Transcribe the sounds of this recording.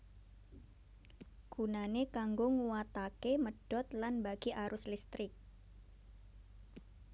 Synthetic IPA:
ɡ̥unanekaŋɡoŋuwat̪akeməɖ̥ɔt̪̚lanbaɡ̥iʔaɾʊslist̪ɾɪk̚

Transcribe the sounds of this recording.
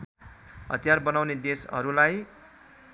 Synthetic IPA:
ʌ̰t̪ijarbʌnawned̪esʌ̰ɾulaj

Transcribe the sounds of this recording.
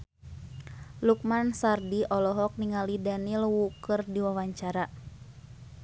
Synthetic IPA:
luk̚mansardiʔɔlɔɦɔk̚niŋalidanilwukɨrdiwawaɲt͡ʃaɾa

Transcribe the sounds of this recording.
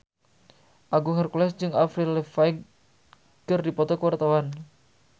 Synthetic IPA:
ʔaɡuŋərkulɛsd͡ʒɨŋafɾilɛfaiɡ | kɨrdipɔt̪ɔkəwart̪awan

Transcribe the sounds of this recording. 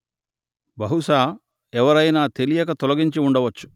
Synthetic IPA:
bɐɦuʃaː | ɛʋɐɾɐjnaːt̪elijɐkɐt̪ɔlɐɡiɲt͡ʃiuɳɖɐʋɐt͡ʃːu̥

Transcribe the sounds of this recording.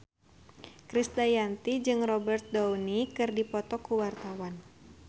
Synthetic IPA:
kɾist̪ajant̪id͡ʒɨŋrɔbɛrt̪̚dɔwnikɨrdipɔt̪ɔkuwart̪awan

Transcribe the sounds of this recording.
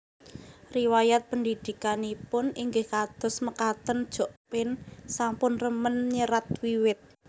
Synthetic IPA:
riwajat̪̚pənd̪id̪̥i̤kanipʊniŋɡɪhkad̪̥ɔ̤sməkat̪ənd̥ʒ̥o̤ʔpɪnsampʊnrəmənɲəɾat̪̚wiwɪt̪̚

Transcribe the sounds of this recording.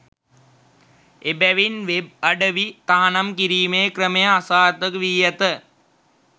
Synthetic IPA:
ebæʋinʋeb̚aɖəʋit̪aɦanamkiɾiːmeːkɾəməjəasaːɾt̪əkʋiːjət̪ə

